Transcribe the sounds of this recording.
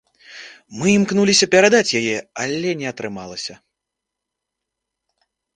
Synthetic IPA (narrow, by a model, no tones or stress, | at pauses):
mɨimknulʲisʲɐpʲɛɾad̪at͡sʲjajɛalʲɛnʲɛɐt̪ɾɨmalˠɐsʲɐ